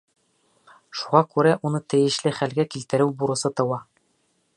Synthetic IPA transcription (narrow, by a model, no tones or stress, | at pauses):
ʃuʁɑkʉɾæʔunɤt̪ɘ̆jɘ̆ʃlɘχælɡækilt̪ɘ̆ɾɘwbuɾɤ̆sɤt̪ɤ̆wɑ